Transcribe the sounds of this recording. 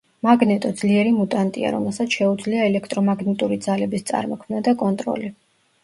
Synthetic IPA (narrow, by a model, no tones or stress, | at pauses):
maɡnɛt̪ʼɔd̪z̥liɛɾimut̪ʼant̪ʼḭa̰ɾɔ̰mɛlˠsat̪sʰʃɛud̪zliaɛlɛkʰt̪ʼɾɔmaɡnɛt̪ʼuɾid̪zalɛbist̪sʼa̰ɾmɔkʰmnad̪akʼɔnt̪ʼɾɔ̰li